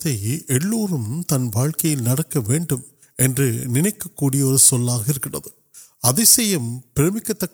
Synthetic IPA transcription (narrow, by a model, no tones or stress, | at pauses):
ðɐɪɛɭːoːɾɯmt̪ɐnʋaːɻkɐjɪlnɐɽɐkːɐʋeːɳɖɯm | ɛndrɯnɪnɐɪkːɐkːuːɽɪjɐɔɾɯsɔlːaːɣɐɪɾɯkːɪɽɐ̰ðɯ | ɐðɪsɛjɐmpɪɾeːmɪkːɐt̪ːɐkː